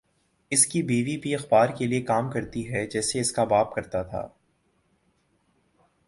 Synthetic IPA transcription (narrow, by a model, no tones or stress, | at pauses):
ɪskibiːʋipiɐxbaːɾkeliekaːmkɐɾt̪iɦɛd͡ʒɛːseɪskabaːp̚kɐɾt̪at̪ʰa̰ː